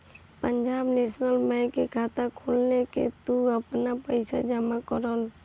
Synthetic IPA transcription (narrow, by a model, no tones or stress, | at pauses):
pəɲd͡ʒaːbneːsnəlmɛ̃kekʰaːt̪akʰoːlnekḛt̪uəpnapəɪsad͡ʒamakəɾol